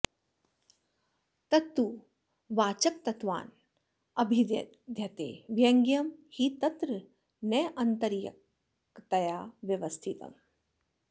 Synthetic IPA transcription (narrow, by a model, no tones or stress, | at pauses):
t̪ɐt̪ːu | ʋaːt͡ʃɐk̚t̪ɐt̪ʋa̰ːn | ɐbʱi | d̪ʱjɐt̪ḛːʋjɐŋɡjɐmhit̪ɐt̪ɾɨ | neːʔɐnt̪ɐɾjɐ̰ | kt̪ɐjaːʋjɐʋɐst̪ʰit̪ɐ̰m